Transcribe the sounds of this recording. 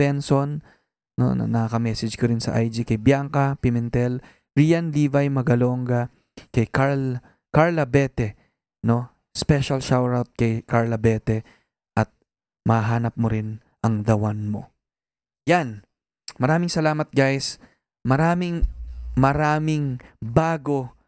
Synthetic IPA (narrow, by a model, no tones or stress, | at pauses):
ɛnson | no̰nɐ̰nɐɐkɐmɛsɐd͡ʒkoɾɪnsɐ̰ʔajd͡ʒɪkɐjbjaŋkɐpɪmɛnt̪ɛl | ɹijɐnliːvɐjmɐɡɐlo̞ŋɡɐ | kɐjkal | kaɹlɐbɛt̪ɛ | no̞ | spɛʃɐlʃawɹawt̪̚kɐjkaɹlɐbɛt̪ɛ | ʔɐt̪̚ | mɐhaɦaːnɐp̚moɾɪn | ʔɐŋd̪ɐwanmo̞̰ | jan | mɐɾaːmɪŋsɐlaːmɐt̪̚ɡajs | mɐɾaːmɪŋmɐɾaːmɪŋbaːɡo̞